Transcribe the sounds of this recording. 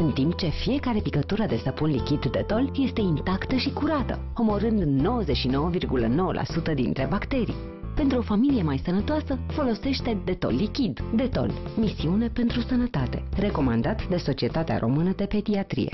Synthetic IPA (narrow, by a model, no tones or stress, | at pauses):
ɨnt̪imp̚t͡ʃe̞fije̞kaɾe̞pikət̪uɾəd̪e̞səpunlikʲid̪ːe̞t̪o̞lje̞st̪e̞int̪akt̪əʃikuɾat̪ə̰ | o̞mo̞ɾɨnd̪no̞wəzet͡ʃʃino̞wəvirɡulə̰no̞wə̰lʔa̰sut̪əd̪ḭnt̪ɾe̞bakt̪e̞ɾḭj | pe̞nt̪ɾuo̞familije̞majsənət̪oasəfo̞lo̞se̞ʃt̪e̞d̪e̞t̪o̞̰lːikʲid̪d̪e̞t̪o̞̰lmisiune̞pe̞nt̪ɾusənət̪at̪e̞̰re̞ko̞mand̪at̪d̪e̞so̞t͡ʃie̞t̪at̪ea̰ɾʔo̞mɨnəd̪e̞pe̞d̪iat̪ɾḭje̞̰